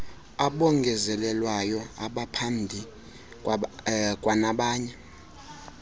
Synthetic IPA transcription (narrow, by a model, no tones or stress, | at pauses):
aɓɔŋɡʱɛzɛlɛlwajɔa̰ɓapʰambʱi | kʼwanaɓaːɲɛ